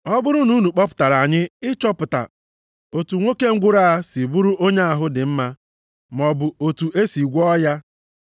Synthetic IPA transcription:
ɔ˦bʊ˦ɾʊ˦nu˦nu˨k͡pɔ˦pʊ̥˨ta˨ɾa˨ɲɪ˦ɪ˦t͡ʃɔ˦pʊ˨ta̰˨ | o˨tu˨ŋʷo˦ke˦ŋ̩˦ɡʷʊ˦ɾa˦˨a˦si˨bu˦ɾʊ˦ʔo˦ɲe˦a˨ɦʊ˦dɪ˨m̩˦ma˦ | m˨ɔ˨bʊ˨o˨tu˨ʔe˦si˨ɡʷɔ˦ja˦

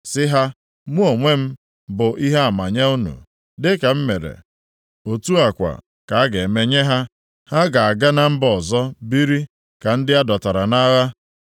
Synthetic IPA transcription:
sɪ˦ɦa˦ | mu˦o˨ŋʷe˦m̩˦ | bʊ˨ʔi˦ɦa˦a˨ma˨ɲa˦u˦nṵ˨ | dɪ˦ka˨m̩˦me˨ɾḛ˨ | o˨tu˦a˨kʷa̰˨ | ka˨a˦ɡe˨me˦ɲe˦ɦa˦ | ha˦ɡa˨a˨ɡa˦na˦m̩˦bɔ˨zɔ˦bi˦ɾi˦ | ka˨n̩˦dɪ˦a˦dɔ˨ta˨ɾa˨na˦ɣa˦

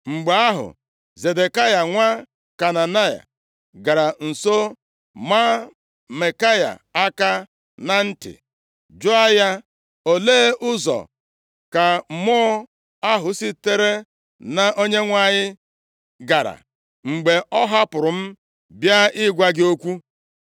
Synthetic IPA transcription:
ŋ͡m̩˨ɡ͡be˨a˦ɦʊ̰˨ | ze˨de˨ka˦ja˨ŋʷa˦ | ka˨na˨na˦ja̰˨ | ɡa˨ɾa˨n̩˨so˦ | ma˦ | me˨ka˦ja̰˨a˦ka˦ | na˦n̩˦tɪ̰˨ | d͡ʒʊ˦a˦ja˦ | o˨leː˦ʔʊ˦zɔ̰˨ | ka˨mɔ˦ | a˦ɦʊ˨si˦te˦ɾe˦ | na˨ʔo˦ɲe˦ŋʷa˦˨ɲɪ˦ | ɡa˨ɾa̰˨ | ŋ͡m̩˨ɡ͡be˨ʔɔ˦ɦa˦pʊ˨ɾʊ˨m̩˦ | bja˦ɪ˦ɡʷa˦ɡɪ˦o˦kʷu˦

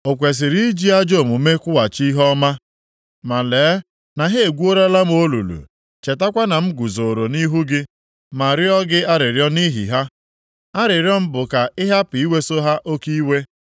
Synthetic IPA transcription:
o˨kʷe˨s̬ɪ˨ɾi˦d͡ʒi˦a˦d͡ʒo˦˨mu˨me˦kʷʊ˦wa˨t͡ʃi˦ɦɔ˦ma˦ | ma˨leː˨˦ | na˨ɦe˦e˨ɡʷu˦o˦ɾa˦la˦m˦o˦lṵ˨lṵ˨ | t͡ʃe˨ta˦kʷa˦na˨m̩˦ɡu˨zo˨ɾo˨ni˦ɦu˦ɡɪ˦ | ma˨ɾjɔ˦ɡɪ˦a˦ɾɪ˨ɾjɔ˦ni˦ɦḭ˨ɦa˦ | a˦ɾɪ˨ɾjɔ˦m̩˦bʊ˨ka˨ɪ˦ɦa˦pi˨i˦we˦so˦ɦa˦ʔo˦ki˦we˦

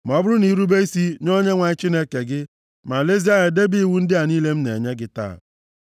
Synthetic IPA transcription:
m˨ɔ˦bʊ˦ɾʊ˦ni˨ɾu˦be˦i˦si˦no˦ɲe˦ŋʷa˨ɪ˦t͡ʃi˦ne˦ke˨ɡɪ˦ | ma˨le˦z̬i˦a˦ɲe˨de˦bi˦i˦˨wu˦n̩˦dɪ˦a˨niː˦le˦m̩˦ne˨ɲe˦ɡɪ˦ta̰ː˦˨

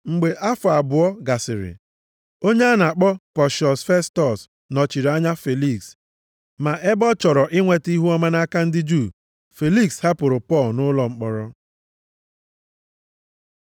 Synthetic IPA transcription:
ŋ͡m̩˨ɡ͡be˨ʔa˦fʊ˨a˨bʊ˨ɔ˦ɡa˨sɪ˨ɾɪ̰˨ | o˦ɲe˦a˦na˨k͡pɔ˦pɔ˨ʃɔ˨sfe˦stɔ˨s | nɔ˨t͡ʃi˨ɾa˦ɲa˦fe˨li˦˨ks | ma˨ʔe˦bɔ˦t͡ʃɔ˨ɾɔ˨ʔɪ˦ŋʷe˨ti˦ɦu˦ɔ˦ma˦na˦ka˦n̩˦dɪ˦d͡ʒu˦˨ | fe˨li˦ksha˦pʊ˨ɾʊ˨pɔ˦˨lnʊ˦lɔ˨ŋ͡m̩˦k͡pɔ˨ɾɔ˦

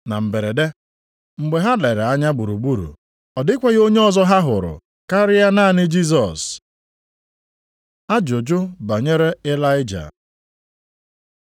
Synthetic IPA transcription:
na˨m̩˨be˨ɾe˨de˦ | ŋ͡m̩˨ɡ͡be˨ɦa˦le˨ɾe˨a˦ɲa˦ɡ͡bu˨ɾu˨ɡ͡bu˦ɾṵ˨ | ɔ˨dɪ˦kʷe˦ɣo˦ɲe˦ɔ˦zɔ˦ɦa˦ɦʊ˨ɾʊ̰˨ | ka˦ɾɪ˦ja˦na˦˨nɪ˦d͡ʒi˦zɔ˨s | a˦d͡ʒo˨d͡ʒʊ˦ba˨ɲe˦ɾe˦ɪ˦la˦ɪ˦d͡ʒa̰˨

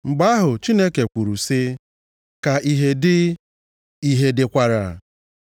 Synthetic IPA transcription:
ŋ͡m̩˨ɡ͡ba˦ɦʊ˨t͡ʃi˦ne˦ke˨kʷu˨ɾu˨sɪ˦ | ka˨i˨ɦe˨dɪ˦ | i˦ɦe˨dɪ˨kʷa˨ɾa˨

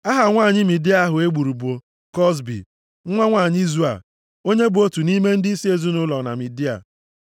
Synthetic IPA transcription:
a˦ɦa˨ŋʷaː˦˨ɲɪ˦mi˨di˦a˦ɦʊ˨e˦ɡ͡bu˨ɾu˨bo˨ | kɔ˦s̬bḭ˨˦ | ŋʷa˦ŋʷaː˦˨ɲɪ˦i˦zu˦a̰˨ | o˦ɲe˦bʊ˨o˦tu˨ni˦me˦n̩˦dɪ˦i˦si˦e˨zu˦nʊ˦lɔ˨na̰˨mi˨di˦a̰˨

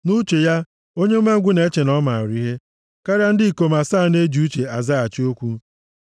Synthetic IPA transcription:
nu˦t͡ʃe˨ja˦ | o˦ɲe˦me˦ŋ̩˦ɡʷʊ˦ne˨˦t͡ʃe˨nɔ˦ma˨ɾi˦ɦe˦ | ka˦ɾja˦n̩˦dɪ˦i˨ko˨ma˨saː˦˨ne˦d͡ʒu˦t͡ʃe˨a˨za˦a˨t͡ʃi˦o˦kʷu˦

